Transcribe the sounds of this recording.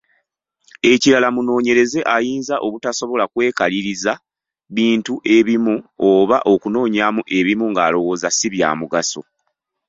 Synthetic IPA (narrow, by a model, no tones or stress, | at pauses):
e̞ciɾalamuno̞ːɲe̞ɾe̞ze̞ʔajiːnzaʔo̞βutaso̞βo̞lakwe̞ːkaliɾiza | βiːntuʔe̞βimuoβaʔo̞kuno̞ːɲamuʔe̞βimuŋɡaːlo̞wo̞ːzasiβja̰ːmuɡaso̞̰